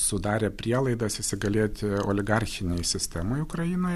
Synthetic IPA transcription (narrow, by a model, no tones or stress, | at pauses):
sʊd̪ɑːɾʲeːpʲɾʲiɛlˠɐɪd̪ɐsɪsʲɪɡɐlʲeːt̪ʲoːlʲɪɡɐɾʲxʲɪnʲeɪsʲɪsʲt̪ʲɛmoːjʊkɾɐjinoːj